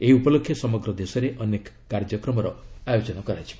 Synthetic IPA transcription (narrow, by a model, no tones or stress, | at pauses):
eupɔlokʰːjesɔmɔɡɾɔd̪esɔɾeʔɔnek | kaɾd͡ʒɔkɾɔmɔɾɔajod͡ʒɔnɔkɔɾat͡ʃʰi̥